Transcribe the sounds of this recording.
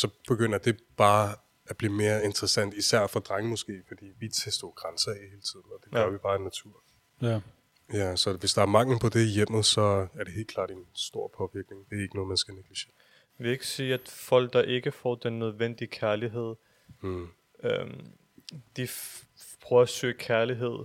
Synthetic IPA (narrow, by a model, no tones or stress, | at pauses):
sɒ̽b̥e̝ɡ̥øn̰ɐd̥e̝b̥ɑ̈ː | æb̥liːme̝ːɐe̝nd̥ʁɛsæn̰d̥isæɐ̰fɒ̽d̥ʁaŋəmɒ̽sɡ̥e̝̰ːfɒ̽d̥ḭːʋit͡sʰesd̥ɔːɡ̥ʁansɐɛhe̝ːlət͡sʰið̰ˠn̩ɒ̽d̥e̥ɛʊɐʋib̥ɑ̈ːenːæt͡sʰuɐ̰ | jæsɒ̽ʋe̝sd̥ɑ̈æɐmɑ̈ŋ̰l̩pʰɒ̽d̥e̝ijem̰ð̞̩ˠsɒ̽æɐɾee̝̰ːlkʰlɑ̰̈ːd̥e̝nsd̥o̝ɐ̰pʰɒ̽ʋiɐɡ̥ne̝ŋd̥e̝æɐe̝ɡ̥ənɔ̽ːðˠmænsɡ̥æneɡ̥liɕe̝̰ːɐ | ʋee̝ɡ̥əsiːæd̥fɒ̽l̰ɡ̥̚d̥ɑ̈ʔe̝ɡ̥əfɒ̰ːd̥enːøð̞ˠʋen̰d̥iəkʰæɐliɦe̝ð̞̰ˠ | øm | d̥i | pʰʁœːɐsø̰ːkʰæɐliɦe̝ð̞̰ˠ